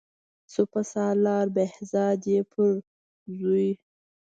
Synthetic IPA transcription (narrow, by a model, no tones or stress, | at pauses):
supasɑlɑːɾbehzɑd̪epʰəɾ | zuj